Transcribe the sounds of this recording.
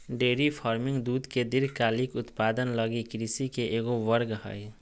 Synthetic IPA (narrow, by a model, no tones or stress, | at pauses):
ɖeɾipʰɔɾmiŋd̪ud̪ked̪iɾkalikut̪pad̪ənlʌɡikɾisikeʔeɡoʋʌɾɡɦʌ̰j